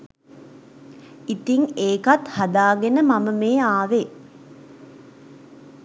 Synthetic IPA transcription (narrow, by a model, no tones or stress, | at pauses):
it̪iŋeːkat̪had̪aːɡenəmaməmeːaːʋe